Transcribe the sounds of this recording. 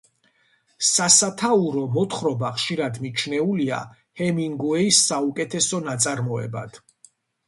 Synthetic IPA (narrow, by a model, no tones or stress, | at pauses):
sasat̪ʰauɾɔmɔt̪ʰχɾɔbaχʃiɾad̪mit͡ʃʰnɛulia̰ | hɛmiŋɡuɛisːaukʼɛt̪ʰɛsɔnat̪sʼaɾmɔɛ̰ba̰d̪̥